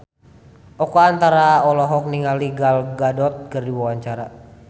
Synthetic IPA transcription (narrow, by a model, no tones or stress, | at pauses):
ɔkɔant̪aɾaɔlɔɦɔk̚niŋaliɡalɡadɔt̪̚kərdiwawaɲt͡ʃaɾa